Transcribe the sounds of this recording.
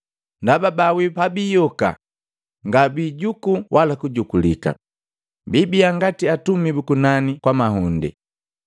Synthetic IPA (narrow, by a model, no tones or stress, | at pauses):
ndababawipabijɔka̰ | ŋɡabiɟukuwʔalakuɟukulika̰ | bibiaŋɡatiatumibukunanikwamaɦundɛ̰